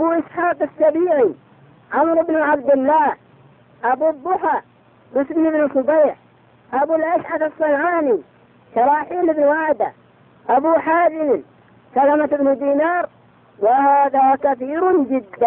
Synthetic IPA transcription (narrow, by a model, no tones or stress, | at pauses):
ʔabuʔɪsħaːqasːɑbiːʕi | ʕamɾɪbnʊʕabd̪ɪlːaːh | ʔabubʊħa | mʊsmɪnɪbnɪsˤʊbajħ | ʔabulʔaʃʕatasˤːɑnʕaːni | ʃɑɾˤɑːħiːlɪbnwaʕd̪a | ʔabuħaːzɪm | salamat̪ɪbnʊd̪iːnɑːɾˤ | wahaaːðakaθiːɾʊnd͡ʒɪd̪ːa